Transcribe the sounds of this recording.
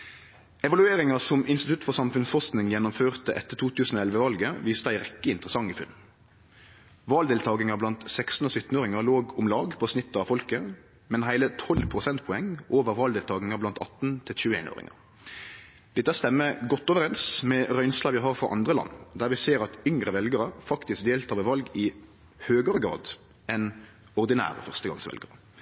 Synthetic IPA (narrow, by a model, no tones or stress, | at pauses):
ɛʋɑlʉeːɾɪŋɑsɔmɪnst̪ɪt̪ʰʉt̪fɔʁsɑmfʉnsfɔstnɪŋjɛnːʊmføːʁt̪əʔɛ̰t̪ːət̪ʰuːt̪ʰʉːsn̩oːɛlʋəʋɑlɡəʋiːst̪əæɪʁɛkːəɪnt̪əʁəsɑŋːɪfʉ̰nː | ʋɑːld̪eːlt̪ʰɑːɡ̪ɪŋɑblɑnt̪sɛkst̪n̩oːsʏt̪ːn̩oːʁɪŋɑloːɡʊmlɑːɡpʰoːsnɪt̪ːəɑʋfɔlkə | mɛnɦæɪlət̪ʰɔlpʰʁʊsɛnt̪pʰɔɛŋʔoːʋəɾʋɑːld̪eːlt̪ɑːɡnɪŋɑblɑnt̪ʰɑ̰t̪ːn̩t̪ʰɪlçʉːḛːno̰ːʁɪ̰ŋə̰ | d̪̥ɛt̪ːæst̪ɛmːəɡɔt̪ːoːʋəɾɛnsmɛʁœʏnslɑʋɪɦɑʁfʁɔ̰ʔɑ̰nd̪ʁəlɑ̰nːd̪æʁʋɪseːɾɑt̪ʏŋɾəʋɛlɡəɾəfɑkt̪ɪsk̚d̪eːlt̪ʰɑːʋəʋɑlɡɪ | høːɡəʁəɡɾɑ̰ːd̪ | ɛn | ɔʁd̪ɪnæ̰ːʁə̰fœʁst̪əɡɑ̰ŋsʋɛ̰lɡəʁə